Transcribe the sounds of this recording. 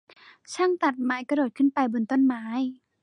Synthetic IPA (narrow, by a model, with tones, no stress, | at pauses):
t͡ɕʰaː˥˩ŋt̪a˨˩t̪̚maː˨˩˦jka˧doː˨˩t̪̚kʰɯ˥˩npa˧jbo˧nt̪o˥˨nmaː˩˦˥j